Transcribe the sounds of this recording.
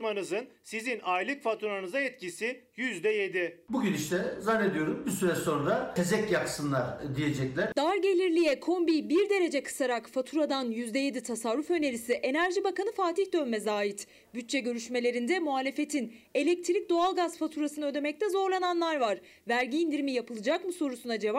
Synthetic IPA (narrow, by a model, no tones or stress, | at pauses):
manɯzɯnsizinajlʲˠɯkfat̪ʰuɾanɯzaɛt̪cisijyzd̪ɛje̞d̪ibuɟyniʃt̪ʰɛzanːe̞d̪ijo̞ɾumbisyɾɛso̞ɾud̪aezɛcjaksɯnlˠaɾd̪ije̞d͡ʒɛclʲæɾd̪̥aɾɟe̞lʲiɾlʲijɛkʰo̞mbibiɾd̪e̞ɾe̞d͡ʒɛkʰɯ̥saɾakfat̪ʰuɾad̪anjyzd̪ɛje̞d̪it̪ʰasaɾːufø̞ne̞ɾisiʔe̞næɾʒibakanɯfaːt̪içd̪ø̞nmɛzaːit̪ | byt̪̚t͡ʃʰɛɟø̞ɾyʃme̞lʲe̞ɾind̪ɛmuɦaːlʲe̞fe̞t̪ʰine̞lʲɛc̚t̪ʰiɾic̚d̪o̞alˠɡazfat̪ʰuɾasɯnɯød̪e̞mɛc̚t̪ʰɛzo̞ɾlˠananlˠaɾvaɾ̥ | væɾɟiːnd̪iɾimijapʰɯlˠɯd͡ʒakmɯso̞ɾusunad͡ʒe̞va